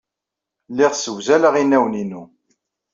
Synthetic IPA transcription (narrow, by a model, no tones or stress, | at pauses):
lːɪʁsəwzæləʁinæwninu